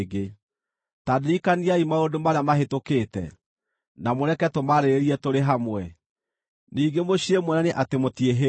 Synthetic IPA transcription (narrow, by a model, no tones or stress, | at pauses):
ɡe | tadeɾikaniaimaodomaɾeamaɦetokeːtɛ̰ | namoɾɛkɛtomaɾeɾeɾiɛtoɾeɦamwɛ | niːɡemoɕiemwɛnaneʔatemotieɦe